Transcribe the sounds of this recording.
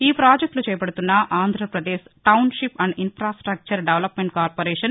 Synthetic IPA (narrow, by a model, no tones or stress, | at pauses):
iːpɾaːd͡ʒek̚ʈlut͡ʃɛːjɐpɐɽut̪unːɐʔaːnd̪ʱɾɐpɾɐd̪eːʃʈɐwnʃipɐɳɖinfɾaːsʈɾɐk̚t͡ʃɐɾɖeʋlɐpmeɳʈ̚kaːɾpoːɾɛːʂɐn